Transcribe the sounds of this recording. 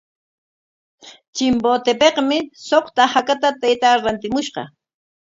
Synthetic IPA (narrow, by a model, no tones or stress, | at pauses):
t͡ʃɪmboːt̪epeqmɪsoχt̪ahakat̪at̪ajt̪aɾant̪ɪmʊʃɢɑ̰